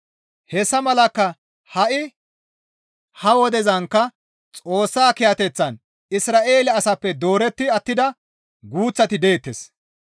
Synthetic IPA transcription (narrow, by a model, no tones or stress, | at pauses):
hɛsːɐmɐlɐkːɐ | hɐʔɪ | hɐwɔd̪ɛzɐŋkːɐ | t͡sʼo̞ːsːaːkɪjɐt̪ɛt͡sːɐn | ɪsɾaːʔe̞ːlɪɐsɐpːɛd̪o̞ːɾɛt̪ːɪɐt̪ːɪd̪ɐ | ɡuːt͡sːɐt̪ɪd̪e̞ːt̪ːes